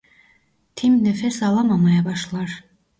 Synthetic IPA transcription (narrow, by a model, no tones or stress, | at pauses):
t̪ʰimnefɛsɑlˠɑmɑmɑjɑbɑʃlˠɑɾ